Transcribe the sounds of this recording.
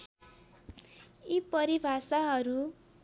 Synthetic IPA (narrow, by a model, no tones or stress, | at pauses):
ipʌɾibʱasaɦʌɾu